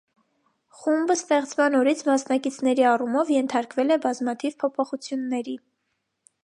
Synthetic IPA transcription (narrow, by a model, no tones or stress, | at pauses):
χumbəst̪ɛχt͡smɑnɔɾit͡sʰmɑsnɑkit͡sʰnɛɾiɑrumɔvjɛnt̪ʰɑɾkvɛlɛbɑzmɑt̪ʰivpʰɔpʰɔχut͡sʰjunːɛɾi